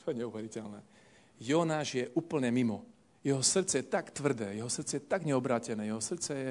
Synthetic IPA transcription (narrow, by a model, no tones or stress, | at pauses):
t̪ɔjɛɲɛuʋɛɾicɛlnɛ̰ː | jɔnaːʒjɛʔuːpl̩ɲɛmimɔ | jɛɦɔsr̩t̪t͡sɛjɛt̪akt̪ʋr̩d̪ɛːjɛɦɔsr̩t̪t͡sɛjɛt̪aɡɲɛɔbɾaːcɛnɛːjɛɦɔsr̩t̪t͡sɛjɛ